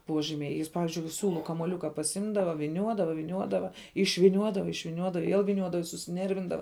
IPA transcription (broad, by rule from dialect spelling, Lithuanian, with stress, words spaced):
ˈpuɔʒʲiːmʲɛɪ ˈjɪs ˈpɑːʋʲɪzʲd͡ʒʲʊɪ ˈsʲuːlˠʊ kɐmuɔˈlʲʊkɐ pɐsʲˈɪmdɐʋɐ ʋʲɪˈnʲuɔdɐʋɐ ʋʲɪˈnʲuɔdɐʋɐ ɪʃʲʋʲɪˈnʲuɔdɐʋɐ ɪʃʲʋʲɪˈnʲuɔdɐ ɪ ˈʋʲiɛlˠ ʋʲɪˈnʲuɔdɐʋɐ ɪ sʊsʲɪˈnʲɛrʲʋʲɪndɐʋɐ